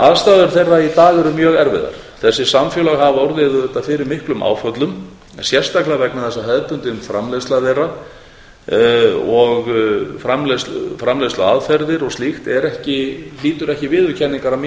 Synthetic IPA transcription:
aðst̪aːðʏɾ̥θejrːait̪aːɣɛɾʏmjœːɣɛɾvɪ̰ða̰ɾ̥ | θɛsːɪ̥samfjœlaɣɦavɔwɾðɪðʏɛt̪ːafɪɾɪɾmɪhklʏmʔa̰ːwfœt̪lʏm | sjɛr̥st̪aklɪavɛk̚naθɛsːaɦɛðt̪ʏnt̪ɪʏmfɾamlest̪laðera | ɔɣfɾamlɛsfɾamlest̪aaðfɛɾðɪɾɔɣst̪lixt̪ɛɾɛhcɪliːt̪ʏɾɛhcɪvɪðʏcʰɛnːɪŋkaɾam

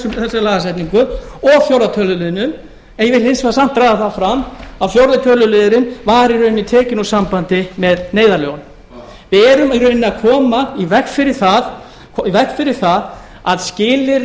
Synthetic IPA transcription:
ʏθɛsːalaːɣasajt̪niŋkʏɔɣfjowɾðat̪ʰœːlʏlɪðɪnʏm | ɛjɛvɪlejnsvɛasam̥t̪ɾaːjðaθafɾamawfjowɾðat̪ʰœːlʏleːðɪɾɪnvaɾiɾœɥnːɪt̪ʰɛːcɪnusampant̪ɪmɛðneːjðaɾljoɣn | vɪðɛːɾʏmiɾœɥnːɪakʰɔːmaivɛkfɪɾɪɾ̥θaðʰ | ivɛhkfɪɾɪɾ̥θað | aðscɪːlɪɾ

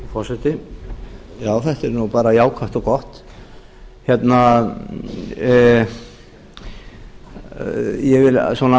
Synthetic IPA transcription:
fɔrsɛt̪ɪ | jaːwθɛht̪ɛɾnupaːɾajaːwkʰaht̪ɔkɔht̪ | çjɛt̪na | jɛvɪlswɔna

